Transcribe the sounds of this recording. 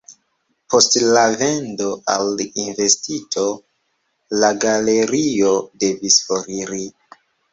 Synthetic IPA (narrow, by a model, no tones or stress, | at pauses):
pʰo̞stlave̞ndo̞ʔalinve̞stitʰo | laɡale̞ɾiode̞visfoɾiɾi